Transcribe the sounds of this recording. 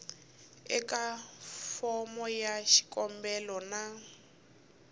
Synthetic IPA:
ɛkʼafɔmɔjaʃi̥kʼɔmbɛlɔna

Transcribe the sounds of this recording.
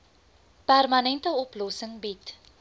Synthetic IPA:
pærmɐnɛntəɔplɔsəŋbit

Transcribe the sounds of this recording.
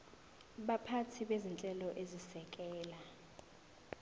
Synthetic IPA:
ɓapʰatʰiɓezint͡ɬʼɛlɔʔezisɛk̬ʼɛːla

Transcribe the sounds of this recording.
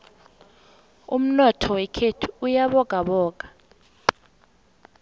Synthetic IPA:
um̩nɔtʰɔwɛkʰetʰu̥ːjaɓɔɡ̥ʼʱaɓɔːɡ̥ʱḁ

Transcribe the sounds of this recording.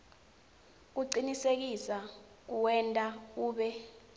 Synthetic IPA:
k̬uǀinisek̬isa | k̬uwɛntʼakuːɓɛ

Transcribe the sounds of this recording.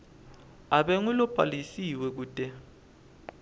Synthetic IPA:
aɓɛŋulɔb̥ʰʼʱa̰lisiwɛk̬uːd̥ʼɛ

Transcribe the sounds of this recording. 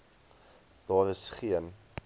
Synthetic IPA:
d̥ɑːɾəsχiən

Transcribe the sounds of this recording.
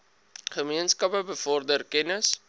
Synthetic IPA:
χəmiənskɐpəbəfɔrdərkɛnəs

